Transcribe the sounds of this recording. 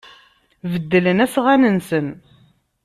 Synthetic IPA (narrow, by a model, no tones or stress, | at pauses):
vəd̪ːələnæsʁænənsən